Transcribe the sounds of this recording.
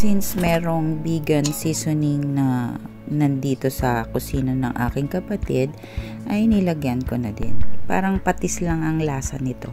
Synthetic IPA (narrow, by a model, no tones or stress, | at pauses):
sinsmɛːɾo̞ŋbiːɡɐnsisʊnɪŋnɐ | nɐnd̪iːt̪o̞sɐkʊsiːnonɐŋʔa̰ːkɪŋkɐpɐt̪ɪd̪̚ | ʔɐjnɪlɐɡjɐnkonɐd̪ɪ̰npa̰ːɾɐŋpɐt̪ɪslɐŋɐŋlaːsɐ̰nɪt̪o̞̰